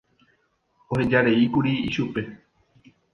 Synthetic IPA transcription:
ohe̞d͡ʒaɾe̞ikuɾiiʃupe̞

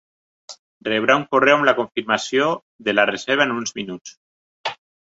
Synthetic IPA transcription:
rreβ̞ɾauŋkorewamlakoɱfiɾmasjo | ðelarezeɾβ̞aenunzminut͡s

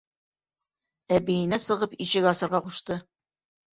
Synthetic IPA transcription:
æbejɘ̆næsɤ̆ʁɤpiɕɘkɑsɤ̆ɾʁɑquʃt̪ɤ

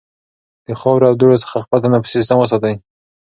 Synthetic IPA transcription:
d̪̥əxɑwɾeawd̪oɽosə̥xaxpat̪anapə̥sis̬t̪əmwəs̬ɑt̪aj

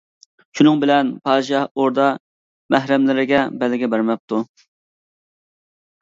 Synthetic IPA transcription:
ʃunɨŋbɪlɛnpʰɑːd̪ʃɑhoɾd̪ɑ | mæɦɾɛmlɪɾɪɡʲɛbɛlːɪɡʲɛbæɾmɛp̚t̪ʰu

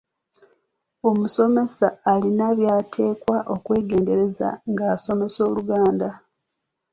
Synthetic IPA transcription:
o̞muso̞me̞saːlinaβjaːtʰe̞ːkwaʔo̞kwe̞ːɡe̞ːnde̞ɾe̞za̰ŋɡaːso̞me̞so̞ːluɡaːnda

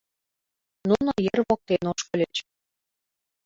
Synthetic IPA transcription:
nunojərβok̚t̪enoʃkɤ̆lʲet͡ɕ

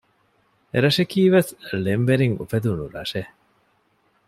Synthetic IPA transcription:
eɾɐʃekiːʋeθlembeɾiŋṵfed̪unuɾa̰ʃe

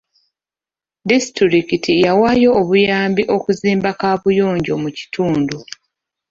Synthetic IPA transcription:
distiɾikitijawaːjo̞ːβujaːmbiʔo̞kuziːmbakaːβujo̞ːɲɟo̞muci̥tʰuːndu

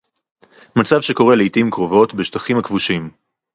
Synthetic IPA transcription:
mat͡savʃeko̞ʁeleitimkʁovo̞tbeʃtaχimhakvuʃim

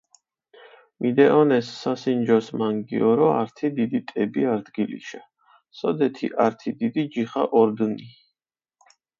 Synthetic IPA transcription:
mid̪ɛʔɔnɛsːasind͡ʒɔsmaŋɡḭɔɾɔa̰ɾt̪ʰid̪id̪it̪ʼɛbiaɾd̪ɡilḭʃa | sɔd̪ɛt̪ʰiʔaɾt̪ʰid̪id̪id͡ʒiχa̰ʔɔɾd̪ni

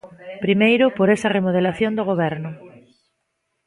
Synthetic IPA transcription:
pɾimejɾʊpoɾesɐremoð̞elaθjõnd̪oɣ̞oβ̞ɛɾnʊ

